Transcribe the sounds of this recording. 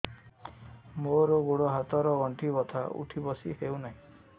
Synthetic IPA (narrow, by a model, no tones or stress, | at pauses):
moɾɔɡuɽɔɦat̪ɔɾɔɡɔɳʈʰibɔt̪ʰa̰ṵʈʰibɔsihewnaɦĩ